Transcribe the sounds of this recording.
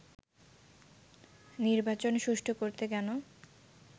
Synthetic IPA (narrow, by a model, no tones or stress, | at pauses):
niɾbat͡ɕonʃuʃʈʰokoɾt̪ekɛno